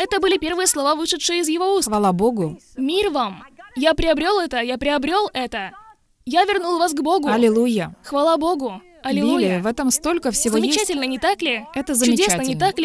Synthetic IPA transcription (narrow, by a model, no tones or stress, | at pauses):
ɛt̪əbɨlʲɪpʲe̞rvɨjəslˠɐvavɨʂɨt̪ʂɨjəɪzjɪvo̞usxvɐlˠaboɡʊ | mʲirvamjapɾʲɪɐbɾʲo̞lˠɛt̪əjapɾʲɪɐbɾʲo̞lˠɛt̪ə | javʲɪrnulˠvas̬ɡbo̞ɡʊɐlʲɪlˠujəxvɐlˠabo̞ɡʊ | ɐlʲɪlˠujlʲɪvɛt̪əmst̪olʲkəfsʲɪzvoəjmɪt͡ɕætʲɪlʲnənʲɪt̪aklʲɪɛt̪əzəmt͡ʃʊɪdʲt͡ɕesnəɪnʲɪt̪aklʲɪ